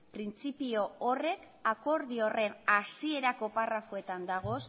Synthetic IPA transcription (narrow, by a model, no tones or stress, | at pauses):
pɾint͡sipio̞ːre̞k | ako̞ɾðio̞re̞nasie̞ɾako̞parafoe̞t̪and̪aɣ̞o̞s